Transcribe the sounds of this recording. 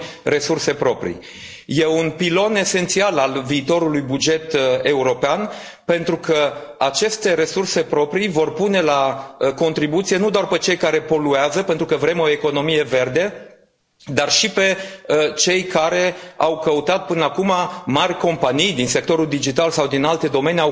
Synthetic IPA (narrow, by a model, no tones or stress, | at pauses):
re̞surse̞pɾo̞pɾḭ | je̞unpilo̞ne̞se̞nt̪sialalviːt̪o̞ɾulujbud͡ʒe̞t̪e̞uɾo̞pean | pe̞nt̪ɾukəat͡ʃe̞st̪e̞ɾe̞surse̞pɾo̞pɾivo̞rpune̞laəko̞nt̪ɾibut̪sijenud̪oarpe̞t͡ʃe̞jkaɾe̞po̞lueazəpe̞nt̪ɾukəvɾe̞mo̞e̞ko̞no̞mije̞ve̞rd̪e̞ | d̪arʃipe̞t͡ʃe̞jkaɾe̞awkəut̪at̪̚pɨnəakumamarʲko̞mpanijd̪inse̞k̚t̪o̞ɾuld̪id͡ʒit̪alsawd̪inalt̪e̞d̪o̞me̞neaw